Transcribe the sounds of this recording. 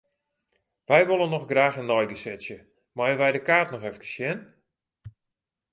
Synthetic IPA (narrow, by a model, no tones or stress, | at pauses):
ʋɛjʋolˠənːɔxɡraːxənːɔjɡəsɛsjə | majənʋɛjdəkaːtnɔxɛfkə̥sjɛn